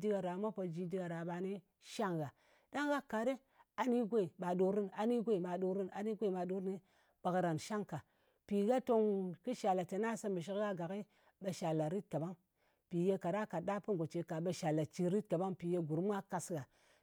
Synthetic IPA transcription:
di˦ɡa˨ɾa˨˦ma˦po˨d͡ʒi˨˦di˦ɡa˨ɾa˨ɓa˨ni˦ | ʃa˦ŋɡa˨ | da˦ŋɡa˦ka˨˦ɾe˦ | a˨ni˦ɡʷe˦˨ɓa˨do˨ɾi˦na˨ni˦ɡʷe˦˨ma˨ɗo˨ɾi˦na˨ni˦ɡʷe˦i˨ma˨ɗo˦ɾne˦ | b̥a˨kɾa˨nʃa˦ŋka˨ | pi˨ɡa˦to˦ŋki˦ʃa˨la˨te˨na˦sa˦mbə˨ʃ̬i˦kɡa˦ɡa˨ki˦ | ɓa˨ʃa˨la˨ɾi˦t̚ka˨ɓa˦ŋ | pi˨je˦ka˨ɾa˦ka˨ɗa˦pə˦ŋ˨ɡo˨t͡ʃe˨ka˨ɓa˨ʃa˨la˨t͡ʃi˨ɾi˦tka˨ɓa˦ŋpi˨je˦ɡu˨ɾm˦a˦ka˨sɡa˨

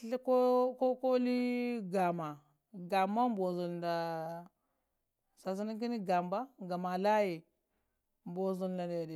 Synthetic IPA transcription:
ɬko˦ko˦ko˦li˦ɡa˨ma˨ | ɡa˨mːa˦m˦bo˨zu˨lnda˨ | sa˨s̬i˦ni˦ki˦ni˦ɡa˨mba˦ɡa˨ma˨la˦ji˨ | m˨bo˨zu˨lda˨ne˨di˨

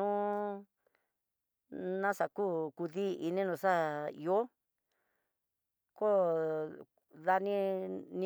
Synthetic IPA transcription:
ũ˦ | nã˦sa˨kuː˦˨ku˧ðiː˦i˧nĩ˦nũ˧sa˦˨ḭ˧o˦ | ko˦ | ða˧nĩ˦nĩ˦

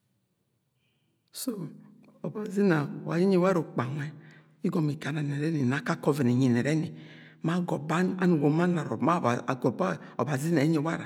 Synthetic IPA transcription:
so˦ | ɔ˨ba˨zi˦na˨wa˨ji˦ɲe˦wa˦ɾo˨k͡pa˨ŋɛ˦ | i˦ɡɔ˨mi˨ka˨na˨nɛ˨ɾɛ˦ni˨na˨˦ka˦kɔ˦vi˨ni˨ɲi˨nɛ˨ɾɛ˦ni˨ma˦ɡɔ˨ba˦a˦nu˨ɡo˨ma˦na˨ɾɔ̰˨ma˦˨ɡɔ˨ba˦ | ɔ̰˨ba˨zi˦na˨i˦ɲe˨˦wa˦ɾa˨

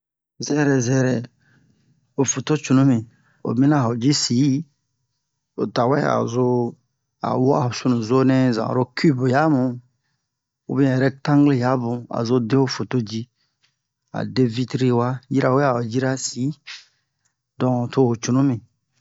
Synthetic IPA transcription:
zɛ˦ɾɛ˨zɛ˦ɾɛ˨ | o˨fo˨to˦t͡ʃu˨nũ˦mĩ˨ | o̰˨mĩ˦nã˦˨ɦo˨d͡ʒi˦si˨˦ | o̰˨ta˨wɛ˦a̰˨zo˦ | a̰˨wɔ˦a˨o˨su˦nũ˨zo˦nɛ˦zã̰˨ɾo˦kʰi˦bja˨˦mũ˨ | ṵ˦bĩ˦ɛ˨ɾɛ˦tã˦ŋɡle˦ja˨˦bʊ̃˨a̰˨zo˦de˦o˦fo˨to˦d͡ʒi˦ | a̰˨de˦vi˦tɾi˦wa˦ji˦ɾa˨wɛ˦a˨o˨d͡ʒi˦ɾa˦si˨˦ | dɔ̃˨ŋo˨to˦ho˨t͡ʃu˨nũ˦mĩ˨

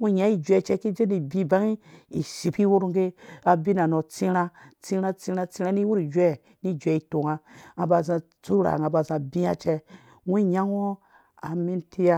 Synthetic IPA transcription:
wu˦ɲã˨˦i˦d͡ʒʷe˨t͡ʃɛ˦ki˦d͡ʒe˦ni˨bi˦ba˦ŋi˦i˨si˨pi˦wo˦ɾŋ˦ɡe˦a˨bi˦na˨no˨t͡si˦ɾa˦t͡si˦ɾa˦t͡si˦ɾa˦t͡si˦ɾa˦ni˦wu˦ɾi˨d͡ʒɛ˦˨ | ni˦˨d͡ʒʷɛ˨i˨to˨ŋa˦a˨ba˨zã˧ | t͡su˦ɾa̰˨ŋa˨ba˨zã˨bi˦a˦t͡ʃɛ˦ | wu˦ɲa˦ŋ˦o˦ | a˨mi˦ntʰi˦ja˦

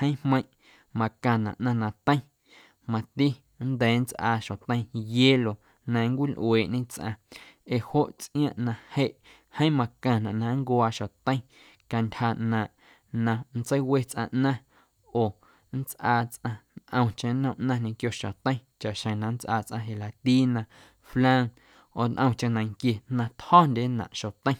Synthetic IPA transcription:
hə̃˦j̃hmə̃˧j̃ | mã˨kã˧˨nã̰˨ʔnã˧nã˧t̪ə̃˦ĩ˦ | mã˧t̪i˦ | nd̪ɛː˨˦n˦t͡sʔaː˧ʃõ˨t̪ə̃˦j̃jeː˦lo˨ | nã˧˦ŋ˦kʷi˦lʔweː˨ʔɲẽ˦t͡sʔã̰˧e˨ho˦ʔt͡sʔĩ˦ãː˦ʔnã˧he˦ʔ | hə̃˦mã˧kã˧˨nã˨ʔnã˧˦ŋkwaː˧ʃo˨t̪ə̃˦ĩ˦ | ka˧ntʲha˧nã˨ʔ | nã˧n˦t͡sə˦jwe˦t͡sʔã̰˧ʔnã˦ | oː˨ | n̩˦t͡sʔaː˧t͡sʔã˧nʔə̃˧w̃t͡ʃẽ˧nə̃˦ʔnã˦ɲẽ˧kjo˧ʃã̰˨t̪ə̃˦t͡ʃa˨ʔʃə̃˨nã˧n˦t͡sʔaː˧t͡sʔã̰˧ɦe˨la˨t̪iː˦nã˧ | flã˦ŋ | oː˨nʔə̃˧w̃t͡ʃã˧nã˨ŋkje˧nã˧t̪hɔː˦ndʲe˦nã̰˨ʔʃo˨t̪ə̃˦j̃

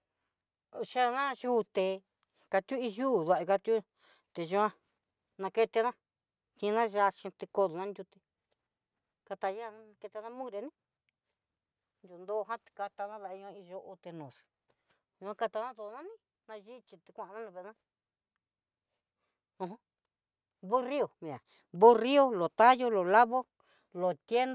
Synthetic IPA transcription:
ʃa˦˧nã˦ʒuː˦t̪e˧ | ka˧t̪ʲu˦i˧ʒuː˦˨ðu˧a˧˨i˧ka˧t̪ʲju˦ | t̪e˧ʒu˧ã˦ | nã˧ke˧t̪e˧nã˦ | t̪ĩ˧nã˦ʒa˧ʃĩ˧t̪i˧ko˧ðu˨nã˦nd̪ʲu˧t̪e˧ | ka˧t̪a˧ja˦˨˦nã˧ke˧t̪e˧nã˦mũ˦ɾe˧˨˦nĩ˦ | nd̪ʲu˧˨nd̪o˦˧ɦã˦t̪i̥˧ka˧t̪a˧nã˦ða˧i˧ɲõ˧ĩ˧ʒo˧o˧t̪e˧nõ˨s | jũ˧ã˦˧ka˧t̪a˧nã˦d̪o˧˨˧nã˦nĩ˦ | nã˧ʒi˦t͡ʃi˧t̪i˧kʷã˦˧ʔa˧nã˦nĩ˧βe˧˨˧nã˦ | õ˧ɦõ˦ | βu˦ri˦o˨mĩ˨ã˨ | βu˦ri˦o˦lo˨t̪a˦jo˦lo˨la˦βo˦ | lo˨t̪je˦n

